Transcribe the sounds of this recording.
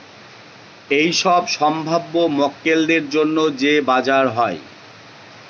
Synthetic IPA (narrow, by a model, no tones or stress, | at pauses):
ejʃɔbʃɔmbʱabːomɔkːelɖ̪eɾd͡ʑonːod͡ʑebad͡ʑaɾɦɔe